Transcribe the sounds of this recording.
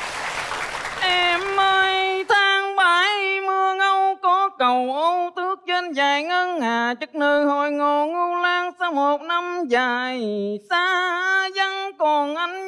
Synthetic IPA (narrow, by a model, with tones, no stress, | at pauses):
ʔɛ˧mʔəː˧jt̪ʰaː˧ŋɓaː˨˦jmɨ˧əŋə˧wkɔ˨˦kə˨˩wʔə˧˦wt̪ɨ˦˥ək̚t͡ɕe˧nzaː˨˩jŋə˧nhaː˨˩t͡ɕɨ˨˩k̚nɨː˨˩ɦo˧˩jŋo˨˩ŋu˧laː˧ŋsaː˧wmo˨˩t̚na˧mzaː˨˩jsaː˧˥za˧ŋkɔ˨˩nʔa˧˦jŋ̟